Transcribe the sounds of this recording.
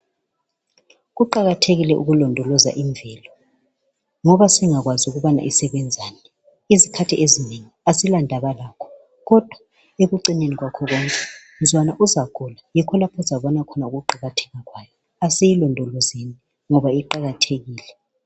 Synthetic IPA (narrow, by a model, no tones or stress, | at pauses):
ɣuǃaɣatʰeɣilɛʔuɣulɔndʱɔlɔza̰ʔiɱvʱɛːlɔ | ŋɔβasiŋaɣwazuɣuβana̰ʔisɛβɛnd͡zʱaːnɛ | izikʰatʰiʔezineŋiasilandʱaβalaːkʰɔ̥ | ɣɔd̥ʱwa | eɣuǀineniɣwakʰɔɣɔŋkʼɛ | zʱwanaʔuzaɣʰɔlajɛkʰɔlapʰɔzaβɔnakʰɔnauɣuǃaɣatʰɛ̥ŋaɣwaːjɔ | asɛjilɔndʱɔlɔzeni | ŋɔβaiǃaɣatʰeɣiːlɛ